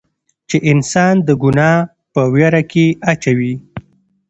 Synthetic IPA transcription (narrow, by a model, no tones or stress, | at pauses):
t͡ʃeʔɪnsɑnd̪əɡʊnɑ | pəwjaɾakeat͡ʃawi